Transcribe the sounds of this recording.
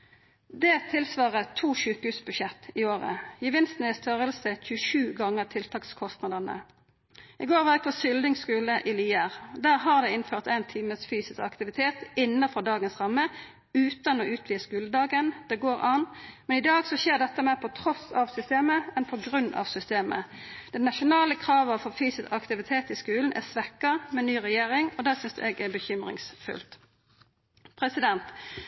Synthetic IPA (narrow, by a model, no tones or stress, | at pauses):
d̪ɛːt̪ʰɪlsʋɑːʁət̪ʰuːʃʉːkəhʉːsbʉʃɛt̪ːɪoːʁə̰jəʋɪnst̪nɛst̪ʰœʁəlsəçʉəʃʉːɡɑŋːəʁt̪ʰɪlt̪ʰɑːkskʰɔst̪nɑd̪əʁnə̰ | ʔɪɡoːʁʋɛɡ̚pʰɔsʏld̪ɪŋskʉːləʔɪliːæʁd̪æːʁɦɑʁd̪ɛɪnføːʁt̪ɛnt̪ʰiːməsfyːsɪskɑkt̪ɪʋɪt̪ʰeːt̪ɪnːɑfɔd̪ɑːɡənsʁɑmːə | ʉːt̪ɑnɔʔʉːt̪ʰʋiːskʉːləd̪ɑːɡənd̪ɛɡoːʁʔɑːnmɛnɪd̪ɑːɡsɔçeːʁd̪ɛt̪ːəmæːʁpʰɔt̪ʰʁɔsɑʋsʏst̪eːməɛnpʰɔɡʁʉnːɑ̰ʋsʏst̪eːmə̰ | d̪̥ɛnnɑʃʊnɑːləkʰʁɑːʋɑʋfɔʁfyːsɪskɑkt̪ɪʋɪt̪ʰeːt̪ɪskʉːln̩ʔæ̰sʋɛkːɑmɛnyːʁɛjeːʁɪŋɔd̪æːsʏnsd̪ʉ̰ːɛɡɛbəçʏmʁɪ̰ŋsfʉ̰lt̪ | pʰʁɛsɪd̪ɛnt̪